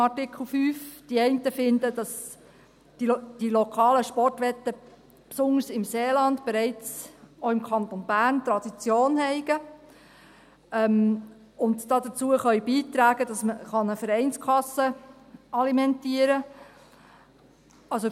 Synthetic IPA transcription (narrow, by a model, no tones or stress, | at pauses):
ɑrtɪkχl̩ˠfyːfd̥iɛɪntəfɪndəd̥ɑs | d̥ilɔkʰɑːləʃpɔrtʋɛtːə | psʊndəsɪmseːlɑndb̥ɛɾɛɪt͡soɪmkʰɑnt̪onbæːrnt̪ɾɑd̥̪it͡sjoːnhɛɪɡ̥ə | ɛm | ʊndd̥ɑd̪ət͡suəχœʏbiːt̪ɾæːɡ̥əd̥ɑsməχɑnəfəɾɛɪnskʰlɑsːəɑlimɛntiəɾə | ɑlso